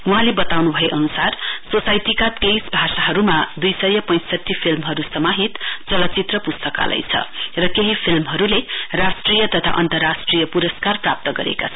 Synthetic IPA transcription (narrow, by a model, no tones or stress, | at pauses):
uɦãlebʌt̪awnubʱʌjeʔʌnusarsosajtikat̪kejsbʱasaɦʌɾumad̪ujsʌjʌpʌ̃j̃sʌʈʰːipʰilmɦʌɾusʌmaɦit̪t͡sʌlʌt͡sit̪rʌpust̪ʌka̰lʌ̰jt͡sʰʌ̰rʌkeɦipʰilmɦʌɾulerasʈrijʌt̪ʌt̪ʰa̰ʔʌnt̪ʌrːasʈrijʌpuɾʌskarprap̚t̪ʌɡʌɾḛka̰t͡sʰʌ